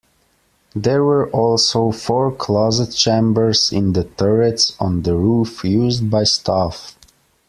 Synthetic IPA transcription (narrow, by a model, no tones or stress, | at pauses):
ðə˞wə˞ʔɔlˠsoʊfɔɹkʰl̥ɔzɨt̚t͡ʃẽɪ̃mbə˞z̥ɪ̃nðəθɜɹɨtsɔ̃n̩ðəɹufjuzd̚baɪstʰaf